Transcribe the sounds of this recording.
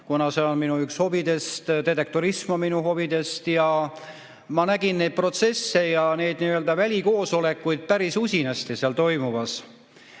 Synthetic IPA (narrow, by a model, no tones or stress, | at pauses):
kunɑseonminuyksho̞bid̪e̞st̪d̪et̪ek̚t̪oɾismɑminuɦo̞vid̪e̞st̪jɑ | mɑnæɡ̥innːe̞jd̪̚pro̞t̪se̞sːe̞jɑne̞jd̪̥niːøld̪ɑvælʲiko̞ːso̞le̞kːˑujd̪̥̚pæɾisusʲinɑst̪iseɑlt̪o̞jmuvɑs